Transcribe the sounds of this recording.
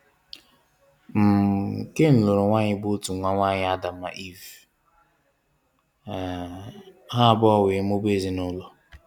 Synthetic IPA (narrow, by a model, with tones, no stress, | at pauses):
m̩˨ke˦n̩˨lʊ˨ɾʊ˨ŋʷa˦ɲɪ˦bʊ˦tu˨ŋʷa˦ŋʷa˦˨ɲɪ˦a˦da˨m̩a̰˨ʔi˦˨v | ɦa˦˨bɔ˦we˨˦m̩˦o˦be˦˨zi˨nʊ˦lʊ˦